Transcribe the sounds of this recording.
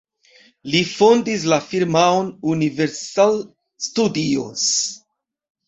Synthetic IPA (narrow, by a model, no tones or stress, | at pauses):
lifondis̬lafiɾmaonuniveɾsal | studio̰s